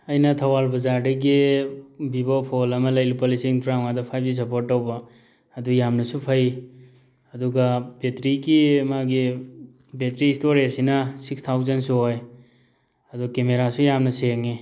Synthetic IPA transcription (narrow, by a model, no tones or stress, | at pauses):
ɐjnɐt̪ʰɐwalbɐzaɾdeɡi | bibopʰolɐmɐlɐjlupolisiŋtɾawadɔpʰajb̚zis̬ɐpoɾtːawbaː | dujamnɐsupʰɐj | ɐduɡabetɾiɡimaɡi | betɾiːstoɾesinasikst̪ʰawzɐnsuɦoj | ɐdukemeɾasujamnɐseŋi